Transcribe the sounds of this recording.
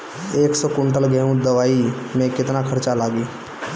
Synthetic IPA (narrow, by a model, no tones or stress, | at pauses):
eːksɔkʊɳʈəlɡɛɦũd̪əʋaːi | mẽkɪt̪nakʰɐɾt͡ʃalaːɡiː